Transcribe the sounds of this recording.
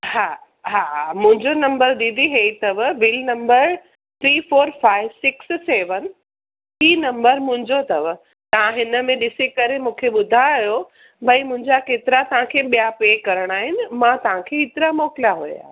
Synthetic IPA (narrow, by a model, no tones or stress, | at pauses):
haː | ɦaːmʊ̃ɦɪ̃ɲd͡ʑonɐ̃mbəɾd̪ĩnd̪iɦet̪ɐʋbɪlnɐ̃mbəɾ | t̪ʰɾiːfoːɾfaːɪʋsɪksseːʋən | iːnɐ̃mbəɾmʊ̃ɦɪ̃ɲd͡ʑot̪ɐʋə | t̪ɐʋãɦɪnə̆mẽɗɪsekɐɾemũːkʰeɓʊd̪ʱaːjjo | bʱɐimʊ̃ɦɪ̃ɲd͡ʑakeːt̪ɪɾat̪ɐʋ̤ãkʰeːɓijapeːkɐɾəɽ̃aːɦɪnɪ̆mãt̪ɐʋ̤ãkʰeɪt̪ɪɾamɔːkɪlaɦuja̰ː